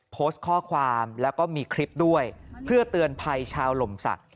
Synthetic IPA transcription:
pʰoː˦˥st̪̚kʰɔː˥˩kʰwaː˧mlɛː˦˥wkɔː˥˩miː˧kʰɾi˦˥p̚du˥˩əjpʰɯ˥˩ɐt̪ɯ˧ənpʰa˧jt͡ɕʰaː˧wlo˨˩˦msa̰˨˩k̚

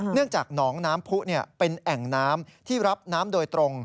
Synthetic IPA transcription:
nɯ˥˩əŋt͡ɕaː˨˩k̚nɔː˩˦ŋnaː˦˥mpʰu˦˥ʔni˥˩ɐpe˧nʔɛ˨˩ŋnaː˦˥mt̪ʰiː˥˩ɾa˦˥p̚naː˦˥mdoː˧jt̪ɾo˧ŋ

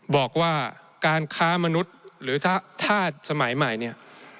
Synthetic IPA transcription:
bɔː˨˩k̚waː˥˩ | kaː˧nkʰaː˦˥ma˧nu˦˥t̪̚ɾɯː˩˦t̪ʰa˥˩t̪ʰaː˥˩sa˧ma˩˦jma˨˩jni˥˩ɐ

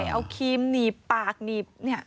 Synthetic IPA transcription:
ʔa̰˧˩wkʰiː˧˥mniː˨˩pːaː˨˩k̚niː˨˩p̚ni˥˩ɐ

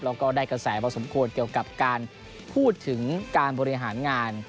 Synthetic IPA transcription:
lɛː˦˧˥wkɔː˥˩daː˥˩jka˧sɛː˩˦pʰɔː˧so˩˦mkʰu˧ənki˧˩əwka˨˩p̚kaː˧n | pʰuː˥˩t̪ʰːɯ˩˦ŋkaː˧nbɔː˧ɾi˧ɦaː˩˦nŋaː˧n

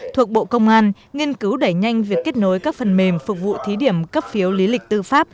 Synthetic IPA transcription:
t̪ʰu˨˩ək̚ɓo̰˧˨kə˧wŋ͡mʔaː˧n | ŋi˧ənkɨ˨˦wɗə˧˩jɲa˧jŋ̟vi˨˩əkːe˦˥t̚no˨˦jkaː˦˥k̚fə˨˩nme˨˩mfu˨˩k̚vṵ˧˨t̪ʰi˨˦ɗi˧˩əmkə˦˥p̚fi˨˦əwli˨˦lï˨˩k̟̚t̪ɨ˧faː˦˥p̚

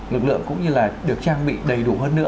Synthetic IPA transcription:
lɨ˨˩k̚lɨ̰˧˨əŋkʊ̰˧˥ŋ͡mɲɨ˧laː˨˩ɗɨ˨˩ək̚t͡ɕaː˧ŋɓḭ˧˨ɗə˨˩jɗu˧˩ɦəː˧nːɨ̰˧˥

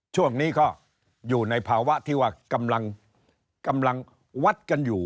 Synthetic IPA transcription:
t͡ɕʰu˥˩əŋniː˦˥kʰɔ˥˩ | juː˨˩na˧jpʰaː˧wa˦˥ʔt̪ʰiː˥˩waː˧˩ka˧mla˧ŋ | ka˧mla˧ŋ | wa˦˥t̪̚ka˧njuː˨˩

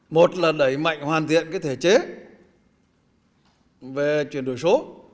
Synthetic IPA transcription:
mo˨˩t̚laː˨˩ɗə˨˩jma̰˧˨jŋ̟hwaː˨˩nt̪ʰḭ˧˨ənkaː˨˦jt̪ʰe˧˩t͡ɕe˨˦ | ve˨˩t͡ɕwi˨˩ənɗo˨˧˩jso˨˦

